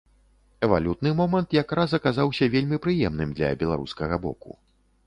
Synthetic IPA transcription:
ɛvalʲut̪nɨmɔmɐnt̪jakɾasɐkazawsʲɐvʲelʲmʲipɾɨjɛmnɨmd̪lʲɐ̰bʲɛlˠaɾṵskɐɣɐbɔ̰kṵ

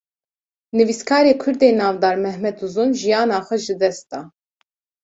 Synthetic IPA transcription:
nɨviskʰɑːɾeːkʰʊɾd̪eːnɑːvd̪ɑːɾmɛhmɛd̪uzunʒijɑːnɑːxʷɛʒɨd̪ɛsd̪ɑː

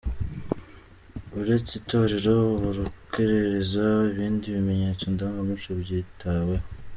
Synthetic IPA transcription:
uɾe̞t͡sitʰo̞ɾe̞ɾo̞βuɾukʰeɾe̞ɾe̞zaiβiːndiβime̞ɲe̞ːt͡sondaŋɡamiʃoβɟitʰawe̞

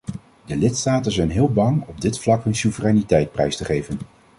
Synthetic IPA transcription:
dəlɪtstaːtənzɛjnɦɪːlˠbɑŋɔb̚dɪtflɑkɦɵnsuvərɛjnitɛjt̚prɛ̰jstəχejvən

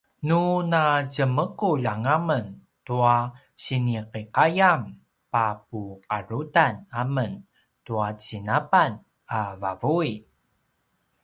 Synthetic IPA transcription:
nunat͡ɕəməkuʎaŋamən | tua | ɕiniqiqajam | pap̚uqaɾutanamən | tuat͡ɕinapan | avavui

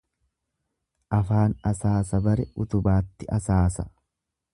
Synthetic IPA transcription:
ʔɐfaːnɐsaːsɐbɐɾɛʔʊt̪ʊbaːt̪ːɪʔɐsaːsɐ

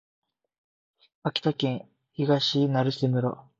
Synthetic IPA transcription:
akʲi̥t̪akẽɰ̃ | iɡaɕinaɾɯsemɯ̟ɾo̰

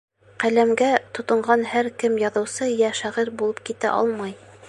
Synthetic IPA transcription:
qælæmɡæt̪ŏt̪ɤ̆ɴɢɑnhæɾkɘmjɑðɤ̆wsɤjæʃæʁɘɾbulˠɤp̚kit̪æ̰ʔɑ̰lˠmɑj

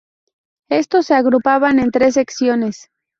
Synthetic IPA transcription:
e̞st̪o̞sːeaɣɾupaβane̞nt̪ɾe̞s̬e̞ksjo̞ne̞s

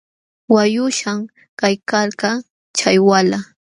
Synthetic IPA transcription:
wajʊʃam | kajkaɾka | t͡ʃajwala

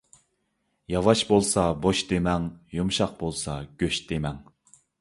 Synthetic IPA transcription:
jɑvɑʃbolˠsɑboʃd̪emɛŋjumʃɑq̚bolˠsɑɡ̥ʲøʃd̪emɛŋ

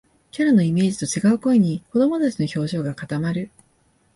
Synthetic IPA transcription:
kʲaɾano̞ime̞ːd͡ʑi̥t̪o̞t͡ɕiɡaɯ̟ko̞eɲ̟iko̞d̪o̞mo̞t̪at͡ɕino̞ço̞ːʑo̞ːɡakat̪amaɾɯ̟

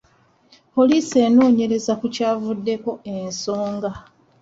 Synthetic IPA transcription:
po̞liːse̞ːno̞ːɲe̞ɾe̞zakucaːvudːe̞ko̞e̞nso̞ːŋɡa

